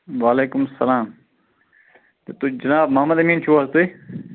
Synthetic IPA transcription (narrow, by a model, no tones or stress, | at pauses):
ʋaːleːkʊmsɐlaːm | t̪et̪ud͡ʒɐnaːb̚mɐɦɐmɐd̪ɐmiːnt͡ʃʰuast̪ui